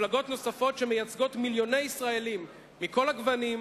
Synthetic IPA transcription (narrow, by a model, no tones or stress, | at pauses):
laɡo̞tno̞safo̞tʃe̞mejat͡sɡo̞tmiljo̞ne̞jisʁae̞limː | iko̞laɡvanim